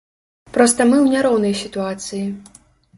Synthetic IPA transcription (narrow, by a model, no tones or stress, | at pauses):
pɾɔst̪ɐmɨwnʲaɾɔwnɐjsʲit̪uat̪sɨji